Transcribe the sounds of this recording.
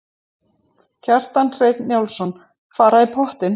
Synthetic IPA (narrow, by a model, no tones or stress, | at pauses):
cʰar̥t̪anr̥eːjt̪njawlsɔn | faːɾaðipʰɔht̪ɪn